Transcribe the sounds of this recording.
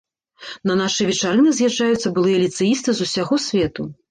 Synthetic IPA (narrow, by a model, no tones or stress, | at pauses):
nɐnaʂɨvʲɛt͡ʂaɾɨnɨzʲjaːajut̪sːɐbɨlˠɨjɐlʲit̪sɨjist̪ɨzusʲaɣɔsʲvʲɛt̪u